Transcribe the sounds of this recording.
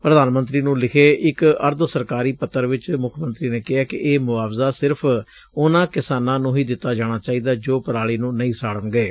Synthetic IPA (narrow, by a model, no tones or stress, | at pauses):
pɾəd̪aːnmənt̪ɾiːnũːlɪkʰeːʔɪkəɾd̪səɾkaːɾiːpət̪ːəɾʋɪt͡ʃmʊkʰːmə̃nt̪ɾiːneːkɪɦaːkɪʔeːmʊaːʋzaːsɪɾpʰ | ʊnãːkɪsaːnãːnũːɦiːd̪ɪt̪ːaːd͡ʒaːɽ̃aːt͡ʃaːiːd̪aːd͡ʒoːpəɾaːɽiːnũːnəĩːsaːɽəŋɡeː